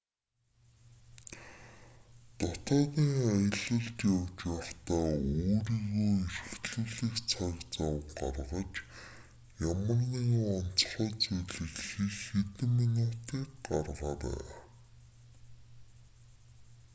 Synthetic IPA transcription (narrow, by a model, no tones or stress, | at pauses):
t̪ɔt̪ɔːɣiːŋajə̆ɮə̆ɮt̪jawt͡ɕwaχt̪aːoːɾiːɣoːerxt̪ɮuːɮiːkt͡sʰakt͡sawɢa̰rʁə̆t͡ɕ | jamə̆rniɣɔn̥t͡sχɔːt͡sujɮɘ̆ɮxixet̪ɘ̆minʊt̪iːkɢarʁaːɾæ̰ː